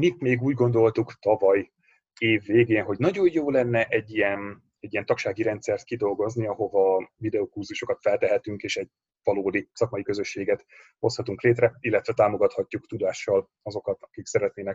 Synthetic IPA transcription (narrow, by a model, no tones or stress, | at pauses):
mit̪meːɡuːɟɡo̞nd̪o̞lt̪ukt̪ɒvɒj | eːvːeːɡeːnɦo̞ɟnɒɟo̞jjoːlɛnːɛʔɛɟːijɛn | ɛɟːiɛnt̪ɒkʃaːɡiɾɛnt̪sɛrt̪kid̪o̞lɡo̞zniɒɦo̞vɒvid̪ɛokurzuʃo̞kɒt̪fɛlt̪ɛɦɛt̪yŋkeːʃɛɟ̚ | vɒloːd̪isɒkmɒjikø̞zø̞ʃːeːɡɛt̪ | ho̞shɒt̪uŋkleːt̪rɛilːɛt̪ʋɛt̪aːmo̞ɡɒt̪hɒcːukt̪ud̪aːʃːɒl | ɒzo̞kɒt̪ɒkiksɛɾɛt̪neːnɛk